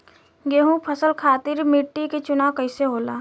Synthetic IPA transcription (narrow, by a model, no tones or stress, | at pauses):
ɡeːɦũpʰəsəlkʰaːt̪ɪɾmɪʈːiket͡ʃʊnaːwkɐɪseɦoːlaː